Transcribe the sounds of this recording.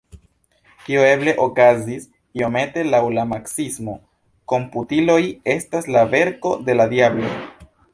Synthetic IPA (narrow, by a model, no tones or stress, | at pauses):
kioe̞ble̞ʔo̞kazis | io̞me̞te̞lawlamaksismo̞ | ko̞mputilo̞je̞staslave̞ɾko̞de̞ladiablo̞